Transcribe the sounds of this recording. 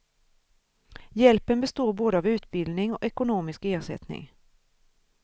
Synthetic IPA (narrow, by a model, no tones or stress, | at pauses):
jɛlpənbɛst̪oːɾboːd̪əɑːvʉ̟ːt̪bɪld̪nɪŋɔ̰ʔɛkʊnoːmɪskeːʂɛ̰t̪nɪ̰ŋ